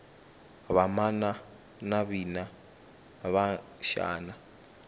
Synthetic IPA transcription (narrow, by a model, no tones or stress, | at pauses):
βamana | naβina | βaʃa̰ːna